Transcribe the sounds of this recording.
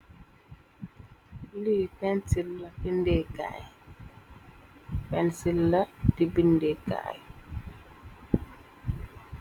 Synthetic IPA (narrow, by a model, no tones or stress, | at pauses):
litɛnsilːatindeka̰j | pɛnsilːatibindeka̰j